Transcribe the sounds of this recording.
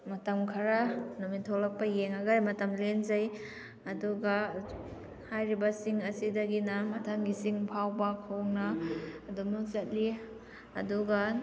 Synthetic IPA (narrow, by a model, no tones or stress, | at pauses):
mɐtɐmkʰɐɾanumitʰolɐk̚pɐjeŋaɡajmɐtɐmlenzɐj | ɐduɡa | hajɾibɐsiŋɐsidɐɡinɐmɐtʰɐmɡisiŋpʰawbɐkʰoŋnaɐdumnuzɐt̚li | ɐ̰duɡɐ